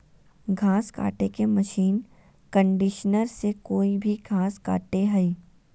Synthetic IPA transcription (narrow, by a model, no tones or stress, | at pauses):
ɡʱãːska̰ːʈekemɐʃiːn | kə̃ɳɖɪʃnəɾsekoːibʱiɡʱãːska̰ːʈeɦɐiː